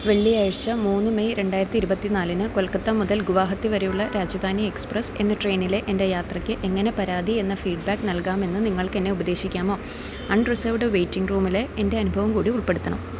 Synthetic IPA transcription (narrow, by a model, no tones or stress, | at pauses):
ʋe̞ɭːiaːɻɐɕɐmuːnːɨmejɾe̞ɳɖaːjiɾɐt̪ːiɾubɐt̪ːinaːlinɨkolkːɐt̪ːɐmuðɐlɡuʋaːɦɐt̪ːiʋɐɾejuɭːɐɾaːd͡ʑɐd̪ʱaːnjɐeksprɐse̞̰nːɐʈre̞jnile̞ʔende̞jaːt̪rɐkʲːɨʔe̞ŋːɐne̞pɐɾaːd̪ie̞nːɐfiːɖ̚baːkːnɐlkaːme̞nːɨniŋːɐɭkenːe̞ubɐd̪e̞ːɕikʲːaːmo̞ː | ɐɳɖrɨsɐʋɨɽeʋe̞jtːiŋɡruːmileende̞ɐnubʱɐʋɐmkuːɽiuɭpe̞ɽut̪ːɐɳɐ̰m